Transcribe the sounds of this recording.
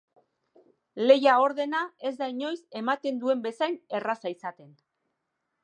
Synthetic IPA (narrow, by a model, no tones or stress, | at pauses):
le̞jao̞ɾðe̞nae̞zd̪aiɲo̞jse̞mat̪e̞nd̪ue̞mbe̞sajne̞rasaisat̪e̞n